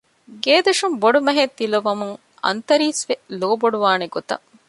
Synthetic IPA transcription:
ɡeːd̪ɐʂumboɖumɐɦet̪ːilɐʋɐmuŋ | ɐ̰nt̪ɐɾiːsʋeloːboɖuʋaːneɡot̪ɐ̰

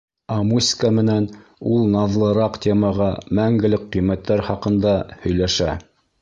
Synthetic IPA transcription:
ɑmusʲkəmɘ̆nænulˠnɑðlˠɤ̆ɾɑqt̪ʲemɑʁɑmæŋɡɘ̆lɘkqːijmæt̪ːæɾχɑqɤ̆nd̪ɑhɵ̆jlæʃæ̰

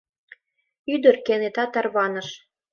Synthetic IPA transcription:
yd̪ərkenet̪ɑt̪ːɑrβɑnəʃ

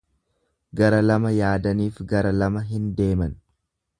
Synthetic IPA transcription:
ɡɐɾɐlɐmɐjaːd̪ɐniːfɡɐɾɐlɐmɐɦɪnd̪e̞ːmɐn

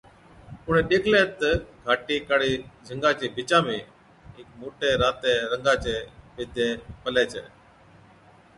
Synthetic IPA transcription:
ʊɳ̤̃ẽːɗeːkʰleːt̪əɡʱaːʈiːkaːɽiːd͡ʒʱəŋɡãːt͡ʃeːbʱɪt͡ʃãːmẽː | ɦɪkmoːʈeːɾaːt̪eːɾəŋɡaːt͡ʃeːbɪd̪ʱjeːpəleːt͡ʃʰḛː

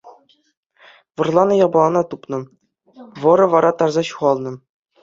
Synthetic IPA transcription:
vɤ̆rlˠɑnɤ̆jɑbɑlˠɑnɑt̪upnɤ̆ | vɤ̆ɾɤ̆ʋɑɾɑt̪ɑrzɑɕuʁɑlˠnɤ̆

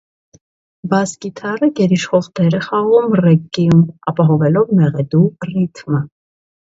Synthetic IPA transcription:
bɑskit̪ʰɑrəɡɛɾiʃχɔʁd̪ɛɾɛχɑʁumrɛkːijumɑpɑɦɔvɛlɔvmɛʁɛd̪urit̪ʰmə

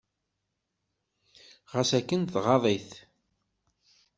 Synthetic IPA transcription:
ʁæsækːənθʁɑðˤiθ

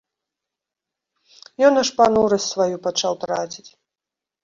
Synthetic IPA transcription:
jɔnaʂpanuɾɐsʲt̪ʲsvajupat͡ʂawt̪ɾat͡sʲit͡sʲ

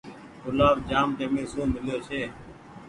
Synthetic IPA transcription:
kʊlaːʋd͡ʒaːmt̪eːmẽːsõːmɪljoːt͡ʃʰeː

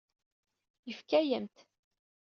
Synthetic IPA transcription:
jəfkæjəmt̪

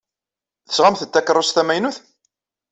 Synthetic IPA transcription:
θə̥sʁamθət̪ːækːəɾˤːʊsθæmæjnuθ

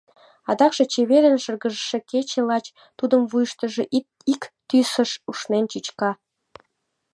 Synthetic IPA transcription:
ɑd̪ɑkʃe̽t͡ɕeβeɾənʃərɣəʒʃeket͡ɕelɑt͡ɕ | t̪ud̪əmβujʃt̪əʒe | ikt̪ysəʃuʃnent͡ɕyt͡ɕkɑ

